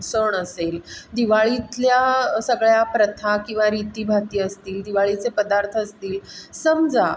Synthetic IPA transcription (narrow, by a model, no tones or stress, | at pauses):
səɳəseld̪iʋaɭitljasəɡɭjapɾət̪ʰakĩw̃ʋaɾit̪iːbʱat̪iːəst̪iːld̪iʋaɭit͡sepəd̪aɾt̪ʰəəst̪iːlsəmd͡za